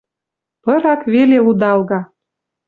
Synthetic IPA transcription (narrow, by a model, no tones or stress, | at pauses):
pɤ̆ɾɑkβelelud̪ɑlɣɑ